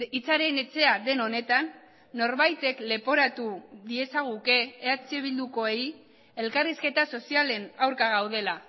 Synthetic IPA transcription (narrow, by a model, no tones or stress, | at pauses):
it͡saɾe̞ne̞t͡se̞aðe̞no̞ne̞t̪anː | o̞ɾβajt̪e̞kle̞po̞ɾat̪uðie̞saɣ̞uke̞ːat͡seβild̪uko̞e̞j | e̞lkariske̞t̪aso̞siale̞nawɾkaɣ̞awðe̞la